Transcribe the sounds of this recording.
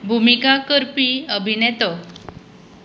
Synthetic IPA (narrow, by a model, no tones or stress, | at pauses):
bʱumikakəɾpiəbʱinet̪ɔ